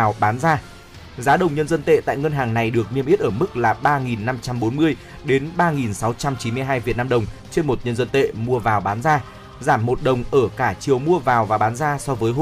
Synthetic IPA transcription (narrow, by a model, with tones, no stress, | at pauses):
wɓaː˨˦nzaː˧ | zaː˨˦ɗə˨˩wŋ͡mɲə˧nzə˧nt̪ḛ˧˨t̪a̰ː˧˨jŋə˧nɦaː˨˩ŋna˨˩jɗɨ˨˩ək̚mi˧əmʔi˦˥t̚ʔəː˧˩mɨ˦˥k̚laː˨˩ɓaː˧ŋi˨˩nːa˧mt͡ɕa˧mɓo˨˦nmɨ˧əj | ɗe˨˦nɓaː˧ŋi˨˩nsa˨˦wt͡ɕa˧mt͡ɕi˨˦mɨ˧əjɦaː˧jvi˨˩ət̚naː˧ɗə˨˩wŋ͡mt͡ɕe˧nmo˨˩t̚ɲə˧nzə˧nt̪ḛ˧˨mu˧əvaː˨˩wɓaː˨˦nzaː˧ | zaː˧˩mːo˨˩t̚ɗə˨˩wŋ͡mʔəː˧˩kaː˧˩t͡ɕi˨˩əwmu˧əvaː˨˩wvaː˨˩ɓaː˨˦nzaː˧sɔ˧vəː˨˦jɦ